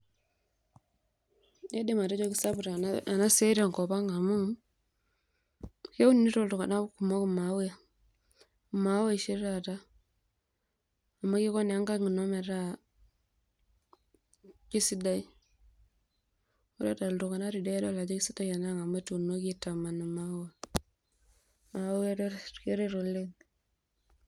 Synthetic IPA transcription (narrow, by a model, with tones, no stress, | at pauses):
e˦de˦ma˨ta˦t͡ʃo˦ki˦sa˦bu˨ɾa˨a˨na˦se˦ɾa˨ŋkɔ˨ba˦ŋa˨mu˦ | ke˦u˦nni˦to˦ltu˨ka˨na˦ku˨mo˦ku˦ma˨˦we˦a˨ | ma˨˦wa˦i˨ʃi˦ɾa˨ta˦ | a˨mːa˦ki˦ko˦ne˨a˦ŋɡa˦ŋi˨no˦me˨ɾa˦ | ki˦si˦da˦i˦ | u˦ɾa˦ta˨ltu˨ka˨na˦ɾi˨de˦do˦˨la˨d͡ʒa˦ki˦si˦da˦ja˨na˦˨ŋa˨ma˦tu˨no˦ki˦ta˨ma˨na˨ma˦wa˨ | ma˨˦wɾe˦ke˦ɾe˦ɾo˨lːe˦